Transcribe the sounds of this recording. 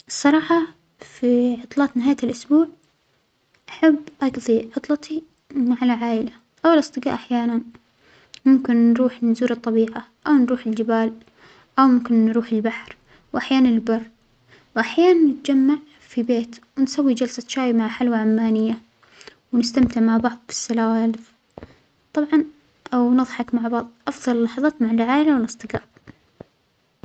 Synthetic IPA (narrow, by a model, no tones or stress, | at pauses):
ʔɨsˤːɑɾˤɑːħɑ | fiʕʊt̪ˤlɑːt̪nɪɦaːjalʔʊsbuːʕ | ʔaħabːʔɑɡðˤiʕʊt̪ˤlɑt̪i | maʕalaʕaːʔɪla | ʔawlʔɑsˤt̪ˤɨɡɑ̰ːʔaħjaːnan | mʊmkɪnːɾuːħnzuːɾɨt̪ˤːɑbiːʕaʔawnɾuːħɪld͡ʒɪbaːl | ʔawmʊmkɪnːɾuːħɪlbaħɾ | wʔaħjaːnanɪlbɑrˤː | wʔaħjaːnanːɪt̪ad͡ʒamːaʕ | fibeːt̪wɪnsawːid͡ʒalsaʃaːjmaʕħalwaʕamːaːnɪjːa | wɪnɪst̪amt̪ɪʕmaʕbɑʕðˤfɪ̥sːalaːwaːl | t̪ˤɑbʕɑn | ʔawnɨðˤħɑkmaʕbɑʕðˤʔɑfðˤɑllːɑħɑðˤɑːt̪maʕalʕaːʔɪlawɪlɨsˤt̪ˤɨɡɑːʔ